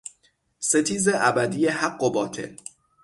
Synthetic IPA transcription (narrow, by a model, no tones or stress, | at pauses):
set̪ʰiːzeʔæbæd̪ijehæɡːobɒːt̪ʰḛl